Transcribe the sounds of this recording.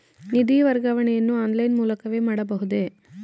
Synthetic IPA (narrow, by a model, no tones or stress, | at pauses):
nid̪iʋɐɾɡaːʋɐɳɛjɐnːuaːnlɐjnmuːlɐkɐʋe̞ːmaːɽɐbɐɦud̪e